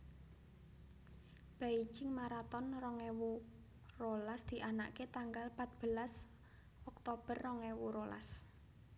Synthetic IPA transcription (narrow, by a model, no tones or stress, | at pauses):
b̥ai̥d͡ʒɪŋmaɾat̪ɔnrɔŋewu | rolasd̪̥i̤ʔana̰ʔket̪aŋɡalpat̪̚b̥əlas | ɔk̚t̪ob̥ə̤rːɔŋewuɾolʔa̰s